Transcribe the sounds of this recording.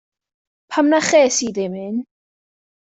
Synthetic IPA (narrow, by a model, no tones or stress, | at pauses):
pʰamnaχeːsidɪmɪn